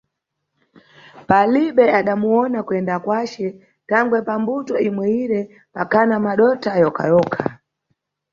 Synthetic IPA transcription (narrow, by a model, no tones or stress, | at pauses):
paliɓɛaɗamuɔnakwɛndakwat͡ʃɛ | taŋɡwɛpambutɔimwɛiɾɛ | pakʰanamaɗɔtʰajɔkʰa̰jɔːkʰa